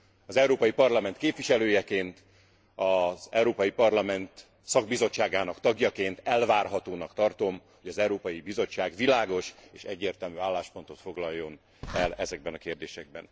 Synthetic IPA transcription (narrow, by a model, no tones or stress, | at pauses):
ɒzɛwɾoːpɒjipɒrlɒmɛnt̪̚keːpʋiʃɛløːjɛkeːnt̪ | ɒzɛwɾoːpɒjipɒrlɒmɛnt̪ | sɒɡ̚bizo̞t͡ʃːaːɡaːnɒkt̪ɒɡjɒkeːnt̪ɛlvaːrɦɒt̪oːnɒkt̪ɒrt̪o̞mho̞ɟɒzɛwɾoːpɒjibizo̞t͡ʃːaːɡʋilaːɡo̞ʃeːʃɛɟːeːrt̪ɛlmyːaːlːaːʃpo̞nt̪o̞t̪fo̞ɡlɒjːo̞n | ɛlɛzɛɡ̚bɛnɒkeːrd̪eːʃɛɡ̚bɛ̰n